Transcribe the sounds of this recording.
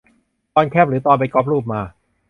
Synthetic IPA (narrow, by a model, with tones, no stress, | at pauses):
t̪ɔː˧nkʰɛː˥˩p̚ɾɯː˩˦t̪ɔː˧np̬a˧jkɔː˦˥p̚ɾuː˥˩p̚maː˧